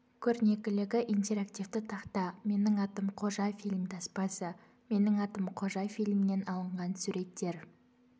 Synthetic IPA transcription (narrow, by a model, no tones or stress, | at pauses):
kʲʰɵɾne̞kʲɪlɪɡʲɪʔijnt̪e̞ɾakt̪ivt̪ɪt̪ʰɑqt̪ɑme̞nɪŋɑt̪əmqʰo̞ʒɑjfijlʲmd̪ɑspɑsə | me̞nɪŋɑt̪əmqʰo̞ʒɑjfijlʲmɪne̞nɑlˠəɴʁɑnsuɾe̞t̪ʰːe̞ɾ